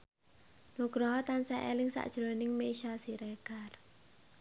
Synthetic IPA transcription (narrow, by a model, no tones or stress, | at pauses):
nuɡ̥ɾɔɦɔt̪ansɛʔɛ̰lɪŋsa̰ʔd̥ʒ̥ɾonɪŋmeʃasiɾɛɡ̥ar